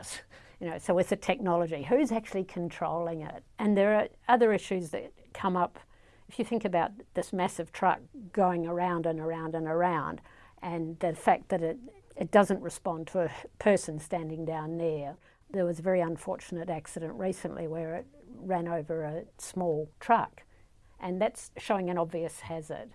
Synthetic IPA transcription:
sjɨnoʊsoʊwɨð̥ɨtʰɛk̚nɑlˠəd͡ʒiɦʉzæk̚t͡ʃʉl̩ˠikʰn̩tʰɹ̥oʊlˠɪ̃ŋɪ̰t̚ɨ̃nðə˞ːʌðə˞ɪʃʉzðɨ̰t̚ | kʰʌ̃mʌp | ɨfjɨθɪ̃ŋkɨbaʊt̪̚ðɪsmæsɨv̥tʰɹ̥ʌ̰k̚ɡ̥oʊɪ̃ŋə˞ãʊ̃ndɨ̃nə˞ãʊ̃ndɨ̃nə˞ãʊ̃nd | ɨ̃nðɨfæk̪̚ðɨɾɪɾɨt̚d̥ʌzɨ̃nʔɹɨspɑ̃ntʰəːpʰɜ˞sɨ̃nstæ̃ndɪ̃ŋdãʊ̃nðə˞ | ðə˞wʌzəvɛɹiə̃ɱfɔɹt͡ʃɨnɨɾæksɨɾɨ̃nʔɹisɨ̰̃n̩ʔliwə˞ɪt̚ɹæ̃noʊvə˞ɨsmɔlˠtʰɹ̥ʌ̰k | ʔɨ̃nðætsʃoʊɪ̃ŋɨ̃ñɑbviɨshæzə̰˞d̥̚

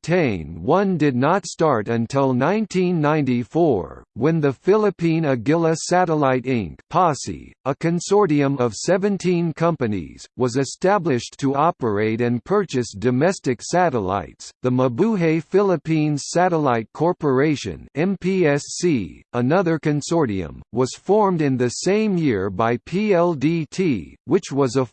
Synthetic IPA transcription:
tʰẽɪ̃nwʌ̃ndɨdⁿnətstɑɹɾɨ̃ntʰɪlˠnãɪ̃ntʰĩnːãɪ̃ntifɔ̰ɹwɨ̃nðɨfɪlˠəpʰĩnɨɡɪlˠəsæɾəlaɪɾɪ̃ŋkpʰɑsḭəkʰɨ̃nsɔɹɾiɨ̃mʌv̥sɛvɨ̃ntʰĩnkʰʌ̃mpɨnḭz̥wʌzɨstæblɪʃtʰəɑpə˞eɪɾɨ̃npʰɜ˞t͡ʃɨsd̥ɨmɛstɨksæɾəla̰ɪtsðəməbuɦeɪfɪlˠəpʰĩnz̥sæɾəlaɪt̚kʰɔɹpə˞eɪʃɨ̰̃nɛ̃mpʰiɛsiənʌðə˞kɨ̃nsɔɹɾḭɨ̰̃mwʌz̥fɔɹmdɨ̃nðɨsẽɪ̃mjɪɹbaɪpʰiɛlˠditʰiwɨt͡ʃwʌzə

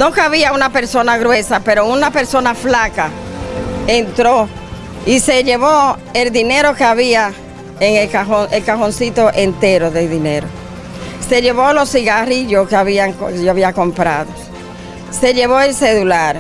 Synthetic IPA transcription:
nuŋkaβiaunape̞ɾso̞naɣɾwe̞sape̞ɾo̞unape̞ɾso̞naflaka | ent̪ɾo̞ | ise̞ʝe̞βo | eld̪ine̞ɾo̞keaβia | eŋekaɦoelkahonsit̪o̞ʔe̞nt̪e̞ɾo̞ðe̞lðine̞ɾo̞ | se̞ʝe̞βo̞lo̞siɣariʝo̞skeaβiaŋkʝoaβiako̞mpɾa̰ðo | se̞ʝe̞βo̞else̞ðulaɾ

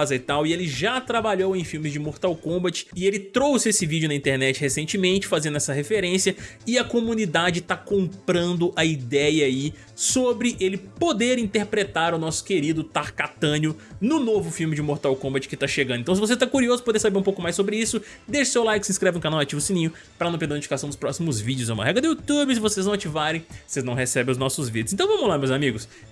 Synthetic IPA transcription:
zɐit̪awɪelɪʒat̪ɾabaʎowẽj̃fiwmɪzd͡ʒɪmoɾt̪awkõbɐt͡ʃɪ̥ɪelɪt̪ɾowsɪesɪvid͡ʒʊnɐĩnt̪eɾnɛt͡ʃɪhesẽnt͡ʃɪmẽnt͡ʃɪ̥fazẽnd̪ʊɛsɐɦefeɾẽsiɐɪɐkomũnid̪ad͡ʒɪt̪akõmpɾɐ̃nd̪ʊʔɐid̪ɛjɐːi | sobɾɪʔelɪpod̪eɾĩnt̪eɾpɾet̪aɾʊnɔsʊ̥keɾid̪ʊt̪aɾkat̪ɐ̃nʊnʊnovʊfiwmɪd͡ʒɪmoɾt̪awkõmbɐt͡ʃɪ̥kɪt̪aʃeɡɐ̃d̪ẽt̪ɐ̃s̬ɪvoset̪akuɾiozʊpod̪eɾsabeɾũpowkʊmajsːobɾɪisʊ | d̪eʃɐʊsewlajkɪsĩskɾɛvɪ̃kanawat͡ʃivʊsĩnĩɲʊ | pɾɐnɐ̃wpeɾd̪̃ĩd͡ʒfikasɐ̃w̃d̪ʊspɾɔsimʊzvid͡ʒʊzɐṵ̃mɐ̰ɦɛɡɾɐd̪ʊjut̪ubɪs̬ɪvoseznɐ̃w̃at͡ʃivaɾẽj̃voseznɐ̃w̃ɦesɛbẽʊznɔsʊzvid̪d͡ʒʊzsẽt̪ɐ̃w̃vɐ̃mʊzlamewzamiɡʊs

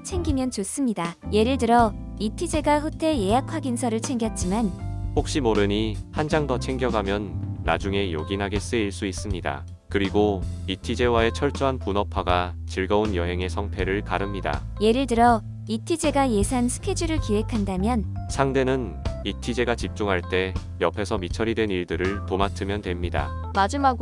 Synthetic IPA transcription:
t͡ɕʰe̞ŋɡimjʌnt͡ɕos͈ɯmɲidaje̞ɾɯɭtɯɾʌitʰid͡ʑe̞ɡaɸotʰe̞je̞jakʰwaɡinsʰʌɾɯɭt͡ɕʰe̞ŋɡjʌt̚t͡ɕ͈imanhok̚ɕ͈imoɾɯɲihand͡ʑaŋdʌt͡ɕʰe̞ŋɡjʌɡamjʌnːa̰d͡ʑuŋe̞jo̰ɡinɦaɡe̞s͈ɯeiɭs͈uis͈ɯmɲida̰ | kɯɾiɡoitʰid͡ʑe̞wae̞t͡ɕʰʌɭt͡ɕ͈ʌɦanpunʌpʰaɡa | t͡ɕiɭɡʌunjʌɦe̞ŋe̞sʰʌŋpʰe̞ɾɯɭkaɾɯmɲida̰je̞ɾɯɭtɯɾʌ | itʰid͡ʑe̞ɡaje̞sʰansʰɯ̥kʰe̞d͡ʑɯɾɯɭkiwe̞kʰandamjʌnsʰaŋde̞nɯnitʰid͡ʑe̞ɡat͡ɕip̚t͡ɕ͈uŋɦaɭt͈e̞ | jʌpʰe̞sʰʌmit͡ɕʰʌɾidwe̞niɭdɯɾɯɭtomatʰɯmjʌntwe̞mɲida̰mad͡ʑimaɡ

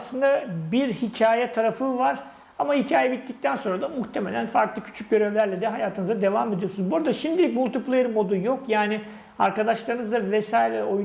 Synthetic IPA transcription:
slˠɯnd̪abiɾhicʰaːjɛt̪ʰaɾafɯvaɾ̥ | amahicʰaːjɛbit̪ːic̚t̪ʰænsonɾad̪amuxt̪ʰe̞me̞̰lʲænfaɾklˠɯcʰy̥t͡ʃʰyc̚ɟø̞ɾevlʲæɾlʲɛd̪ɛɦajaːt̪ʰɯnɯzad̪e̞vaːmed̪ijosunzbuɾad̪aʃimd̪ilʲicmulˠt̪ʰiplʲˠeɾmo̞d̪ujo̞kjaːnɪ | a̰ɾkad̪aʃlˠaɾɯnɯzd̪avesaːjilʲɛoj

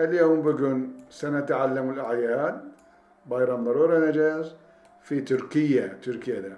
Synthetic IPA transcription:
ʔɪljoːmbɪɡʊnsanat̪ʕalːamɪlʔaʕjaːd̪̚ | bajɾˤɑnd̪ˤɑɾˤuːɾˤɑnad͡ʒaːs | fit̪ʊɾkɪjːat̪ʊɾkjad̪a

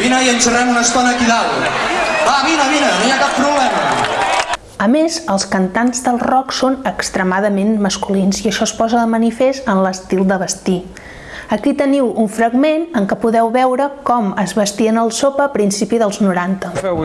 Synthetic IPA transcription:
binəiənsərɛmunəst̪ɔnəkiðal | aβinəβinənojakappːɾuβlɛmə | əmezəlˠskənt̪anzd̪əlˠrɔksonəkst̪ɾəmaðəmenməskulinziəʃɔspɔzəðəmənifest̪ənləst̪ilˠd̪əβəst̪i | əkit̪əniwuɱfɾəɡmenəŋkəpuðɛwβɛwɾəkɔməzβəst̪iənəlˠsopəːpɾinsipiðəlˠznuɾant̪əɛ

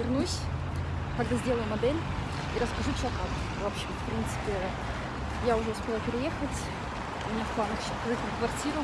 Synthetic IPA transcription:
vʲɪrnusʲ | kɐɡ̚d̪azʲdʲeləjʊmɐd̪ɛlʲ | iɾəskɐʐut͡ɕɪlˠɐkam | vɐpɕefpɾʲint̪sɨ̥pʲɪ | jaʊʐɛspʲelˠəpʲɪɾʲɪjexətʲ | ʊmʲɪnʲafp̪anəkɕkvɛt̪əkvɐrtʲiɾʊ

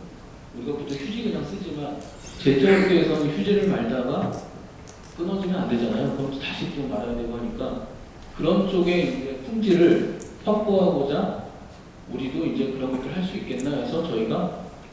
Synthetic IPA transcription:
uɾiɡaputʰoŋçʰud͡ʑiɡɯd͡ʑaŋs͈ɯd͡ʑiman | t͡ɕe̞t͡ɕ͈ʰoɾeteːsʰʌnɯnçjud͡ʑeɾɯɭmaɭdaɡa | k͈ɯnʌd͡ʑimiande̞d͡ʑanajokɯʌnt͡ɕʰotaɕʰikt͡ɕ͈omːaɾajadwe̞ɡoɦaɲik͈a | kɯɾʌnt͡ɕ͈oɡe̞ind͡ʑe̞pʰuŋd͡ʑiɾɯɭɸʰak̚p͈oɦaɡod͡ʑa | uɾidoind͡ʑe̞kɯɾʌnɡʌtʰɯɭɦaɭs͈uik͈e̞nnːaesʰʌt͡ɕʌiɡa

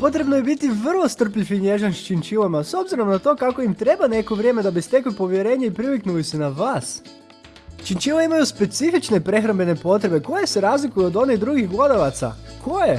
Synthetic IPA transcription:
po̞t̪ɾe̞bnoje̞bit̪iʋr̩lˠo̞st̪r̩pʎifiɲe̞ʒanʃt͡ʃint͡ʃiʋamaso̞bziɾo̞mnat̪o̞kako̞imt̪ɾe̞bane̞koʋɾʲje̞ːme̞d̪abist̪eklipo̞ʋje̞ɾe̞ːɲeipɾiʋiknulisenaʋaːs | t͡ʃint͡ʃiʋeimajuspe̞t̪sifit͡ʃne̞pɾe̞xɾambe̞ne̞po̞t̪ɾe̞be̞ko̞je̞se̞ɾaːzlikujod̪o̞niɣd̪ɾuɡixɡlˠod̪aʋat̪sa̰kʰoje

